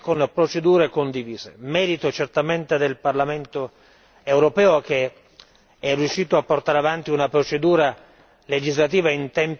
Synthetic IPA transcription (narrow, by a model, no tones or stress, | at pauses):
konpɾot͡ʃed̪uːɾekond̪iviːzḛmɛːɾit̪ot͡ʃert̪ament̪ed̪elparlament̪o | ewɾopɛːok̟e | ɛrːjuʃːiːt̪oapːort̪aɾeavant̪iunapɾot͡ʃed̪uːɾa | led͡ʒizlat̪̬iːvaint̪ɛm